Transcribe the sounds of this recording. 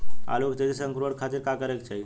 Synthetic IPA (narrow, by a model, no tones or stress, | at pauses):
a̰lokt̪et̪isəŋkɾoɽkʰat̪iːɾkakəɾekt͡ɕaj